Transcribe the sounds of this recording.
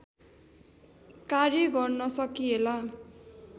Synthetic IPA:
karjʌɡʌrnʌsʌkiela

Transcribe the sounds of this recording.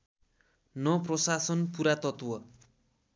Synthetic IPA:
nʌprʌsasʌnpuɾat̪ʌt̪wʌ

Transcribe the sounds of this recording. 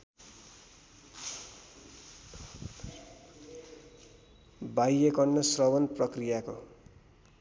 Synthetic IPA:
bajekʌɳːʌsrʌbʌnprʌkrijako̰

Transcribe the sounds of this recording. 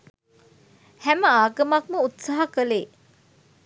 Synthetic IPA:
hæməaːɡəmɐkməut̪saɦakəleː

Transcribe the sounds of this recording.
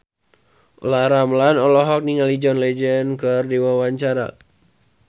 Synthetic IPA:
laɾamlanɔlɔɦɔk̚niŋalid͡ʒɔnlɛd͡ʒɛnkərdiwawaɲt͡ʃaɾa̰

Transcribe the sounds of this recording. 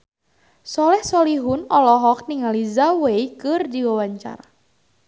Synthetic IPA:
sɔlɛhsɔliɦʊnɔlɔɦɔk̚niŋalizawejkɨrdiwawaɲt͡ʃa̰ɾa

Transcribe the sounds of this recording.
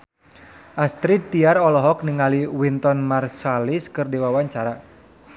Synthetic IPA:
ʔast̪ɾid̪̚t̪iarɔlɔɦɔk̚niŋaliwint̪ɔnmarsaliskɨrdiwawaɲt͡ʃaɾa

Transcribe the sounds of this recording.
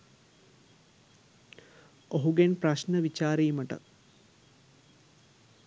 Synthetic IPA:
oɦuɡenpraʃnəʋit͡ʃaːɾijməʈə̰

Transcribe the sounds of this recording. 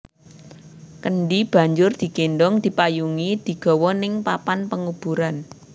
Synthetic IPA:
kəɳɖib̥a̤ɲd͡ʒʊrd̪̥i̤kenɖɔŋd̪̥i̤pajuŋid̪̥i̤ɡ̥ɔ̤wɔnɪŋpapanpəŋub̥ṳɾan

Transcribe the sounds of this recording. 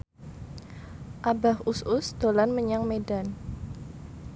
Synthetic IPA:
ʔabahusʊsd̪̥olanməɲaŋmedan

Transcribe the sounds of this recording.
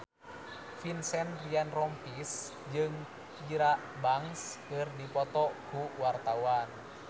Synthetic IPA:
finsɛnrianrɔmpis | d͡ʒɨŋ | piɾaʔbaŋskɨrdipɔt̪ɔɡ̥uʔwart̪awan

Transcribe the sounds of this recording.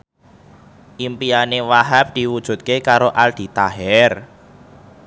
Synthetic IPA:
ʔimpianewaɦap̚d̪̥i̤wud̥ʒ̥ṳt̪̚kekaɾoʔald̪̥i̤t̪aɦɛr

